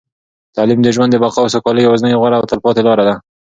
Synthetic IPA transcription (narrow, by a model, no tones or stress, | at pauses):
t̪ɑlimd̪əʒwand̪əbaqɑsakɑləjawaznəjɣwaɽaːwt̪alpɑt̪elɑɾad̪a